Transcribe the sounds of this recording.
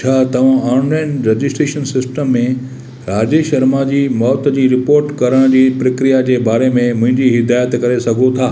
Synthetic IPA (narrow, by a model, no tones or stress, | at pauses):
t͡ɕʰaːt̪ɐʋ̤ãɔːnlaːɪnɾed͡ʑɪsʈɾeːʃənsɪsʈəmːẽ | ɾaːd͡ʑeʃɐɾmad͡ʑiːmɔːt̪d͡ʑiːɾɪpoːɾʈkɐɾəɽ̃d͡ʑiːpɾɐkɾijad͡ʑeːbaːɾemẽmʊ̃ɦɪ̃ɲd͡ʑiɦɪd̪aːjət̪kɐɾesɐɡʱot̪ʰaː